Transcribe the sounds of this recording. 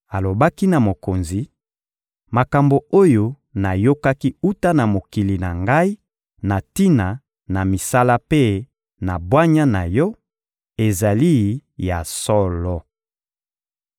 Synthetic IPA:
a˨lo˨ba˦ki˦na˨mo˨ko˨nzi˨ | ma˨ka˨mbo˨o˦jo˦ | na˨jo˦ka˦ki˦u˦ta˦na˨mo˨ki˨li˨na̰˨ŋɡa˦i˦ | na˨ti˦na˨ | na˨mi˨sa˦la˦pe˦ | na˨bwa˦ɲa˦na˨jɔ˦ | e˨za˨li˦ja˨sɔ˦lɔ˦

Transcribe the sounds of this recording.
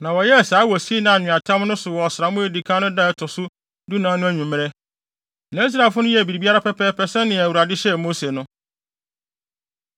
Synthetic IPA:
nã˨wɔ˨jɛ˦˨saː˨˦wɔ˨si˦e˦nã˨nɪ̃˨a˨tʰã˦m˦nʊ̃˦sʊ˨wɔ˨sɪ˨ɾa˨mʊ̃˦e˨di˨kʰã˦nʊ̃˦dã˦ɛ˦tʰɔ˨sʊ˦ | du˦nãː˨˦nʊ̃˦æ˦ɲᶣũ˨mɪ̃˦ɾɛ˦ | nã˨˦i˦s̬ɾa˨fʊ˦nʊ̃˦jɛ˦æ˨bi˨ɾi˨bi˦a˦ɾa˦pʰɛ˦pʰɛ˦pʰɛ˦sɛ̃˦nɪ̃˨æ˨wu˨ɾa˨dɪ˦ɕɛ˦˨mo˦se˨nʊ̃˦

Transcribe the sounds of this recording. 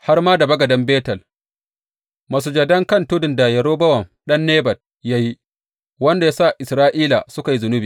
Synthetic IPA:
ha˦rmaː˦da˨bɐ˦ɡɐ˨dɐ˦mbeː˦tɐ˨l | ma˨s̬u˨d͡ʒɐ˨dɐ˦ŋkɐ˦˨ntʊ˦dɪ˨nda˨jɐ˨ɾoː˦bɐ˦wɐ˨mɗɐ˦nːeː˦bɐ˨d̚ | ja˦ji˦ | wɐ˦nda˨jaː˦sa˦˨ʔɪ˨sɾaː˦ʔiː˦la̰˨sʊ˦ka˨ji˦zʊ˨nʊ˦biː˨

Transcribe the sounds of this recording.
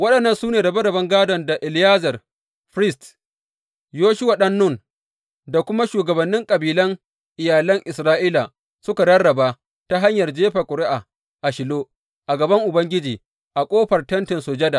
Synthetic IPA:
wɐ˦ɗɐ˨nːɐ˦nsuː˦neː˨dɐ˨bɐ˦dɐ˨bɐ˦ŋɡaː˦dɔ˨nda˨ʔɪ˨ljaː˦zɐ˨r | ɸɾɪ˦˨st | joː˦ʃʊ˦wa˨ɗɐ˦nːʊ˦˨n | da˨kʷʊ˦ma˦ʃuː˨ɡɐ˨bɐ˨nːɪ˦ŋkʼɐ˨biː˨lɐ˦ŋ | ʔɪ˨jaː˨lɐ˦ŋʔɪ˨sɾaː˦ʔiː˦la˨ | sʊ˦ka˨ɽɐ˦rːɐ˨ba˦ | ta˦ɦa˦ɲjɐ˨rd͡ʒeː˦ɸa˨kʷʼʊ˨ɾɪ˦ʔa˨ | ʔa˨ʃɪ˨loː˦ | ʔa˨ɡɐ˨bɐ˦ŋʔʊ˨bɐ˦ŋɡʲɪ˦d͡ʒiː˨ | ʔa˨kʷʼoː˦ɸɐ˨rtɐ˦ntɪ˨nso˨d͡ʒɐ˦da˨

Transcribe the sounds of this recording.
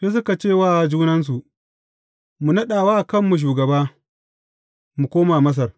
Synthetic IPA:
seː˦s̬ʊ˦ka˨t͡ʃeː˦˨waː˦˨d͡ʒuː˦nɐ˦ns̬u˨ʔ | mu˨nɐ˦ɗaː˨waː˦˨kɐ˦˨mːu˨ʃ̬uː˨ɡɐ˨baː˦ | mu˨kʷoː˦maː˨mɐ˦s̬ɐ˨r

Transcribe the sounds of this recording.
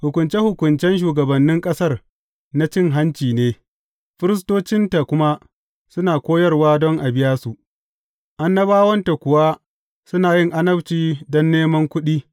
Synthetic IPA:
hʊ˨kʷʊ˨nt͡ʃe˦hʊ˨kʷʊ˨nt͡ʃɛ˦nʃ̬uː˨ɡɐ˨bɐ˨nːɪ˦ŋkʼɐ˦sɐ˦r | na˦t͡ʃɪ˦ŋɦa˦nt͡ʃiː˨neː˦ | ɸɪ˦ɾɪ˦s̬toː˦t͡ʃɪ˦nta˨kʷʊ˦ma˦ | sʊ˦naː˨kʷoː˦jɐ˦rwaː˦dɔ˦ŋʔa˨bɪ˦jaː˦su˨ʔ | ʔa˦nːɐ˦baː˦wɐ˦nta˨kʷʊ˨wa˦ | sʊ˦naː˨jɪ˦ŋʔa˦nɐ˦bt͡ʃiː˦˨dɔ˦nːeː˦mɐ˦ŋkʷʊ˦ɗiː˦

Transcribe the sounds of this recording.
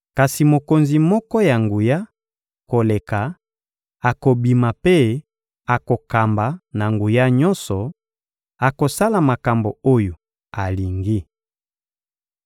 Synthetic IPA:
ka˨si˨mo˨ko˨nzi˨mɔ˦kɔ˦ja˨ŋɡu˨ja˦ | ko˨le˨ka˨ | a˨ko˨bi˨ma˨pe˦ | a˨ko˨ka˨mba˨na˨ŋɡu˨ja˦ɲɔ̃˦nsɔ˨ | a˨ko˨sa˦la˨ma˨ka˨mbo˨o˦jo˨ | a˨li˨ŋɡi˦

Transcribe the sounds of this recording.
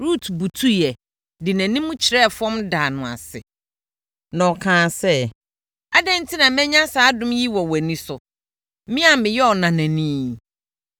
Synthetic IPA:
ɾu˦tʰbu˨tʰu˦jɛ˨ | dɪ˨næ̃˨nĩ˦mʊ̃˦t͡ɕʰɪ˨ɾɛ˦˨fɔ̃˦mdaː˨nʊ̃˨a̰˨sɪ̰˨ | nɔ̃˨kʰãː˨sɛ˦ | a˦dɛ̃˦n̩˦tʰi˦nã˨mɛ̃˦ɲã˦saː˨˦dʊ̃˦mji˦wɔ˨wæ˨nĩ˦sʊ˨ | mɪ̃˦a˨mɪ̃˨jɛ˦ɔ˨nã˨næ̃˨nĩː˦

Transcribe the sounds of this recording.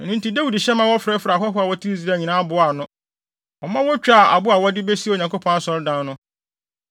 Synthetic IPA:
nʊ̃˦nti˦da˦wi˨dɕɛ˦mã˦wɔ˦fɾɛ˦fɾa˨ɦɔ˦ɦʊ˦a˨wɔ˦tʰi˦i˦zi˦ɾa˦˨ɲĩ˨nãː˦bʊ˨˦a˨nʊ̃˦ | ɔ˨mã˦wɔ˦t͡ɕᶣa˨ʔa̰˨bʊ˦a˨wɔ˦dɪ˦be˦si˦o˨ɲã˨ŋko˦pʰɔ̃˦na˦sɔ˨ɾdã˦n˦nʊ̃˦

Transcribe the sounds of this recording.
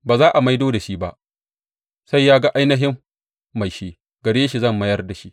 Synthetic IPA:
baː˨zaː˦ʔa˨ma˦jdoː˦da˨ʃi˦ba̰˦ʔ | sa˦jːaː˦ɡa˦ʔa˦jnɐ˦ɦɪ˦mː | a˨jʃeː˦ | ɡɐ˨ɽeː˦ʃi˨zɐ˦˨mːɐ˦jɐ˦rda˨ʃi˦

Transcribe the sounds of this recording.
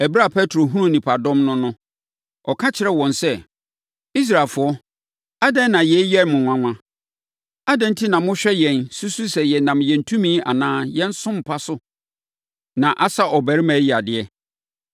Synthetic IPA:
æ˨bɾa˦˨pʰɛ˦tʰɾo˨ɦu˦ũ˦nĩ˨pʰa˨dɔ̃˦mnʊ̃˦nʊ̃˦ | ɔ˨kʰã˦t͡ɕʰɪ˨ɾɛ˦wɔ̃˨nsɛ˦ | i˦s̬ɾa˨fʊ˨ɔ˦ | a˦dɛ̃˦nː˦ã˨jɛ˨˦jɛ˦˨mʊ̃˨ŋʷã˨ŋʷã˦ | a˦dɛ̃˨n̩˦tʰi˦nã˨mʊ̃˦ɕᶣɛ˦jɛ̃˨nsu˦su˦sɛ˨jɛ˨nã˨mjɛ̃˨n̩˨tʰũ˦mĩ˦a̰˨nãː˦jɛ̃˦n̩˦sʊ̃˦m̩˨pʰa˦sʊ˦ | nã˨ʔa˦sa˦ʔɔ˨bæ˨ɾi˦mɛ̃˨˦ji˨a˨dɪ˨ɛ˦

